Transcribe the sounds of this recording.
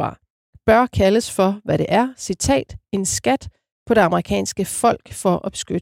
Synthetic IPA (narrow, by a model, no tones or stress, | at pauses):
ɑ̰̈ː | b̥ɶɐkʰæləsfɒ̽ʋæɾe̝ʔæɐsit͡sʰɛ̰ːd̥e̝nsɡ̥æd̥ | pʰɒ̽ɾ̥e̝ɑ̈məʁikʰɛ̰ːnsɡ̥əfɒ̽l̰ɡ̥fɒ̽ʔɒ̽b̥sɡ̥yd̥